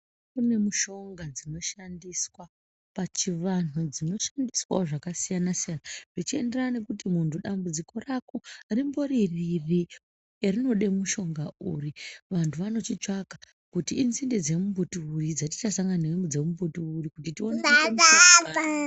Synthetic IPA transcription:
kune̞muʃo̞ŋɡad͡zino̞ʃandiswa | pat͡ʃiʋan̤ud͡zino̞ʃandiswa̰ʐakasijanasijanaʐit͡ʃie̞nderane̞kutimuntuɗambud͡ziko̞rakoarimbo̞ɾiriri | erino̞ɗe̞muʃo̞ŋɡauriʋantʰuʋano̞t͡ʃit͡ʂaka | kutiːnzinded͡ze̞mumbutuurid͡zati̥t͡ʃasaŋɡanewemud͡zemumbutuuɾikutitioeea

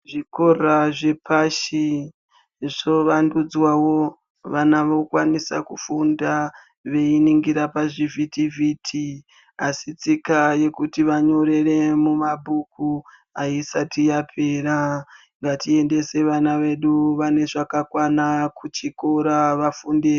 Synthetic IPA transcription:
ʐiko̞raʐe̞pʰaʃi | ʐ̥o̞ʋandud͡zwawo̞ | ʋanaʋo̞kwanisa̰kufunda | ʋe̞iniŋɡiɾapaʐivʱitivitʰi | asit͡sikaje̞kutiʋaɲo̞ɾe̞re̞mumabʱuku | aisatijapʰe̞ːɾa | ŋɡatie̞nde̞se̞ʋanaʋe̞ɗuʋane̞ʐakakwanakut͡ʃikoɾaʋafunde

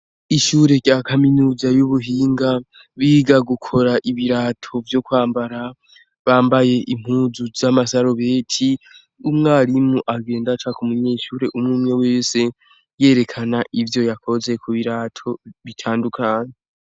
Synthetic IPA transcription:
iʃuːɾe̞ɟjakaminuːzajuβuɦiːŋɡa | βiɡaɡukʰo̞ɾaʔiβiɾatʰo̞vjo̞kwaːmbaɾa | βaːmbaje̞ʔim̥huːzuzamasaɾo̞βe̞ːtʰi | umŋaːɾimuʔaɡe̞ːndat͡ʃakumuɲeːʃuɾe̞ʔumŋuːmŋeweːse̞ | je̞ːɾe̞kʰanaʔivjo̞jakʰo̞ze̞kuβiɾatʰo̞βitʰaːndukʰaːɲe

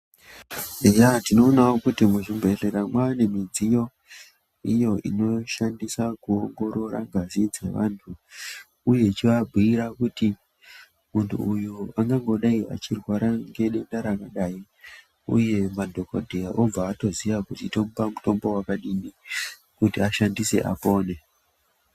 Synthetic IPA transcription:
ejatino̞ːnawokutimuʐimbe̞reɾamwaːne̞mid͡zijo̞ | ijo̞ʔḭno̞ʃandisakuoŋɡo̞ɾo̞ɾa̰ŋɡazid͡zḛʋa̰ntʰu | uje̞t͡ʃiʋabʱiiɾakuti | muntʰṵːjuaŋɡaŋɡo̞ɗaiʔa̰t͡ʃirwaɾaŋɡe̞ɗe̞ndaɾakaɗai | ṵje̞madʱo̞kodʱejaʔob͡vaːto̞ziʋakutitompamuto̞mbo̞wakaɗini | kutiaʃandise̞̰ʔa̰po̞ːne̞

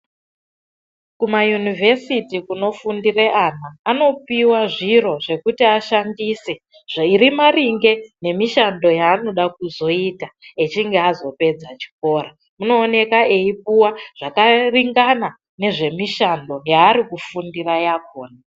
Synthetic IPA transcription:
kumajunivʱe̞sitikuno̞fundireʔanaːno̞piwaʐiɾo̞ʐe̞kutiaʃandise̞ | ʐairimariŋɡe̞ne̞miʃando̞jaːno̞ɗak̚uzo̞itaet͡ʃiŋɡeazo̞pe̞d͡zat͡ʃi̥k̚o̞ːra | muno̞ːne̞kaʔe̞ip̚uwaʐ̥akariŋɡana | ne̞ʐe̞miʃando̞jaːɾikufundirajakoːna

